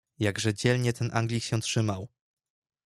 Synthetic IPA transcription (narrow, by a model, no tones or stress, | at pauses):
jaɡʐɛd͡ʑɛlɲɛt̪ʰɛnʔa̰ŋɡlʲikɕɛtʂɘmaw